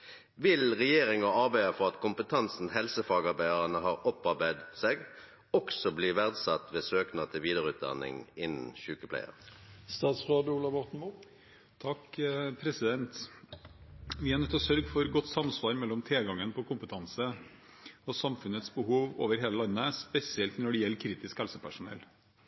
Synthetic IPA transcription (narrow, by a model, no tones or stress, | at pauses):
ʋɪlʁɛjeːʁɪŋɑɑʁbæɪɑfɔʁɑt̪kʰʊmpət̪ʰɑnsn̩hɛlsəfɑːɡɑʁbæɪəʁənəɦɑːʁɔpɑʁbæɪd̪seːɡ | ɔksɔbliːʋæʁd̪sɑt̪ːʋeːsøːknɑt̪ʰɪlʋiːd̪əʁʉːt̪̚d̪ɑ̰nɪ̰ŋɪnn̩çʉːkəpʰlæ̰ɪə̰ʁst̪ɑːt̪sʁɑːd̪uːlɑʋɔʁt̪n̩mu | t̪ʰɑkpʰɾɛsɪd̪ɛnt̪ | ʋɪæːɾnɛt̪ːɔsœɾɡfɔɾɡɔt̪ːsɑmsʋɑːɾmɛlːɔmt̪ʰeːɡɑŋːənpʰɔkʰʊmpət̪ʰɑnsə | ɔsɑmfʉnət̪sbəhuːʋo̰ːʋəɾɦeːləlɑnːəspɛsɪɛlt̪nɔɖɪjɛlːkʰɾiːt̪ɪskhɛlsəpʰæʂʊnɛ̰l